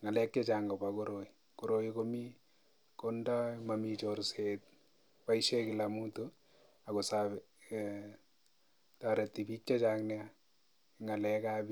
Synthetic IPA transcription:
ŋalɛkjet͡ʃaŋɡɔbakoɾoi | koɾojikomi | kondamamit͡ʃoɾset̪̚ | paiʃekɪlamuto | akosaβɛ | taɾet̪ːibit͡ʃt͡ʃːat͡ʃaŋnɛa | ŋalɛkabi

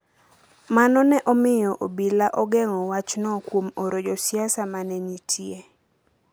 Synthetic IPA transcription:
manɔnɛʔɔmɪjɔʔobilaʔɔɡɛŋɔwat͡ʃnɔkwomoɾod͡ʒosjasamanɛnitʰje

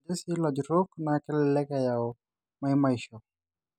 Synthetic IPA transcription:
d͡ʒesilad͡ʒɾɔknakɛlɛlɛkajaɔ | maimaiʃɔ

